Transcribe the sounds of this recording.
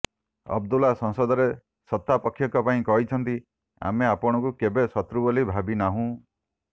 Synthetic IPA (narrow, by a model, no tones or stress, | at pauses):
ɔ̰b̚d̪ulasɔ̃ŋsɔd̪ɔɾe | sɔt̪ːapɔkʰːjɔkɔpaĩkɔɦit͡ʃʰɔnt̪i | a̰meapɔɽ̃ɔ̃kukebesɔt̪ɾubolibʱabinaɦũ